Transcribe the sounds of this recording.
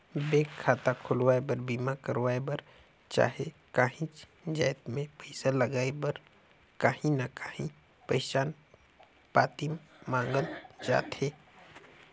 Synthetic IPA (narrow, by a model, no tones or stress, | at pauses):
beːkʰːaːt̪akʰʊlwaːebəɾbiːmakəɾwaːebəɾ | t͡ʃa̰ːɦekaːɦĩt͡ʃ | d͡ʒajt̪mẽpəɪsaləɡaːebəɾ | kaɦĩnakaːɦĩ | pəɪt͡ʃaːn | paːt̪immãːŋɡəld͡ʒa̰ːt̪ɦeː